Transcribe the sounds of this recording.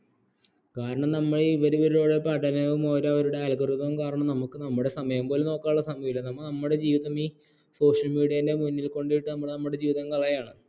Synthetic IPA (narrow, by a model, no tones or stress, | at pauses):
kaːɾɐɳɐmnɐmːɐɭeiʋɐɾuʋɐɾiɭoːɽepɐɽɐlɐʋumo̞ːɾɐʋɐɾuɽe̞aːlkɐrut̪ːɐʋumkaːɾɐɳɐmnɐmukːɨnɐmːuɽe̞sɐmɐjɐmbo̞ːleno̞ːkːaːuɭːɐsɐmɐʋilːɐnɐmːuknɐmːuɽe̞d͡ʑiːʋiðɐmiː | so̞ːʂɐlmiːɽijɐinde̞munːilko̞ɳɖijiʈːɨnɐmːuɭnɐmːuɽe̞d͡ʑiːʋiðɐmkɐɭɐjaːɳɨ